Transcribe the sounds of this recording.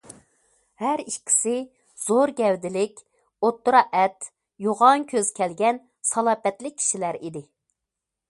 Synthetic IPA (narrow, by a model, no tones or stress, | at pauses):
hæɾiʃkʲʰi̥sɪ | z̥oɾɡʲɛwd̪ɪlɪkʲ | ot̪ːuɾɑʔɛt̪ | joʁɑŋkʲʰøz̥kʲʰɛlɡʲɛn | sɑlˠɑːpɛt̪lɪk̚ʲʰːi̥ʃilæɾid̪ɪ